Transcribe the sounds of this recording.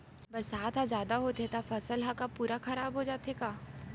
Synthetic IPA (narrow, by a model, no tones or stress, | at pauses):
bɐɾsaːt̪ʰɦãzjaːd̪aɦot̪et̪afɐsəlɦakapuːɾaxɐɾaːbɦod͡ʒaːt̪ekaː